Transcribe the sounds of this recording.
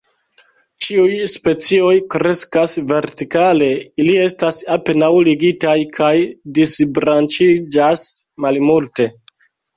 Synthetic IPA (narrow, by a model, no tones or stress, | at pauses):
t͡ʃiujspe̞t͡sio̞jkɾe̞skasve̞ɾtikale̞ilie̞stasape̞nawliɡitajkʰajdisbɾant͡ʃid͡ʒasmalmulte̞